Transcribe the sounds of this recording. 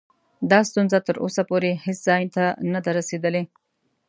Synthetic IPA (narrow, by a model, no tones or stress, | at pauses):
d̪ɑst̪unzat̪əɾo̰sapoɾeheszɑjnt̪anad̪aɾased̪əle